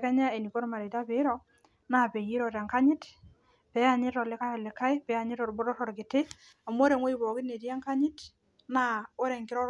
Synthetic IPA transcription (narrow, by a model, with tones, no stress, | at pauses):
kɛ˦ɲa˦e˨ni˨kɔ˦ɾma˨ɾe˨ta˦pɪ˨˦ɾɔ˦ | na˨pe˨ji˦ɾɔ˨ɾa˨ŋka˦ɲɪ˦t | pɛ˨˦a˨ɲɪ˦tɔ˨lɪ˦ka˦jɔ˨lɪ˨ka˦jpɛ˨a˨ɲɪ˦ɾɔ˨ɾbʊ˦ɾɔ˦ɾɔ˨ɾɡɪ˨tɪ˦ | a˨mo˦ɾe˨ŋwɔ˦i˦bɔ˨kɪ˦ne˨tja˦ŋka˦ɲɪ˦t | na˦o˦ɾɛ˨ŋkɪ˦ɾɔ˦